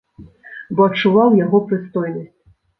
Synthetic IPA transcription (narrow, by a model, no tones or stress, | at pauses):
bɔɐt͡ʂːuvawjaɣɔpɾɨst̪ɔjnɐsʲt͡sʲ